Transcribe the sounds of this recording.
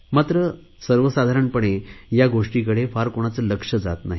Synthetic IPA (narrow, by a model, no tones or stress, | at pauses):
mat̪ɾə | səɾʋəsad̪ʱaɾəɳpəɳ̃ejaɡoʂʈikəɽefaɾkoɽ̃at͡sələkʂəd͡za̰t̪naɦi